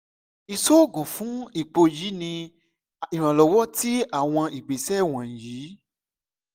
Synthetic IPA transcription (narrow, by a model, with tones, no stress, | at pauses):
i˨so˦˨ɡũ˨fũ˨˦i˦˨k͡po˧ji˨˦nĩ˧ | i˨ɾ̃ã˨lɔ˨wɔ˦ti˦a˦˨w̃ɔ̃˧i˨ɡ͡be˨sɛ˦˨w̃ã˨jiː˨˦